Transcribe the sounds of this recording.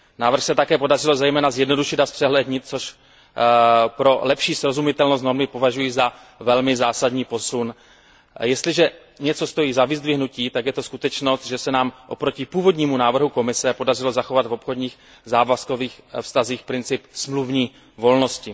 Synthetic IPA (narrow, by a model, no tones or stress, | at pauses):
naːvɾr̩xsɛt̪akɛːpo̞darɪlo̞zɛjmɛːnazjɛdno̞duʃɪd̪aspr̥ɛɦlɛdɲɪt̪̚t͡soʃ | pɾo̞lɛpʃiːsɾo̞zumɪt̪ɛlnos̬t̪no̞ɾmɪpo̞vaʒujiza | vɛlmɪzaːsadɲiːpo̞sun | jɛst̪lɪʒɛ | ɲɛt͡so̞st̪o̞jiːzavɪzd̪vɪɦnuciːt̪aɡjɛt̪o̞skut̪ɛt͡ʃno̞st̪̚ʒɛsɛnaːmʔo̞pɾo̞cɪpuːvo̞dɲiːmunaːvr̩ɦuko̞mɪsɛpo̞dar̝ɪlo̞zaxo̞vat̪vo̞pxo̞dɲiːx | zaːvasko̞viːxfst̪aziːxpɾɪnt͡sɪpsmluvɲiː | vo̞lno̞scɪ